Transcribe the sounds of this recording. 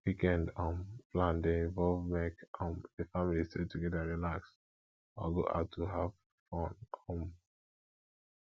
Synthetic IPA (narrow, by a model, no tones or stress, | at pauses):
wikɛ̃ndɔ̃mplãndeĩɱvɔlvmɛ̃ntãmdefamilistʰetuɡɛdaɹilaks | ãɡo̰ʔa̰ʊtʰːuɦav | fɔ̃nɔm